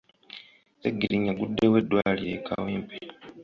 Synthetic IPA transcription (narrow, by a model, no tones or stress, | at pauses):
eɡːiliɲːaɡudːewe̞dːwaːliekʰa̰weːmpe